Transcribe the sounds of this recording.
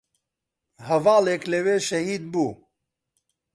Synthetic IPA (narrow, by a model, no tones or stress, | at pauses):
hɐvaːlekleweːʃɐhiːd̪̚buː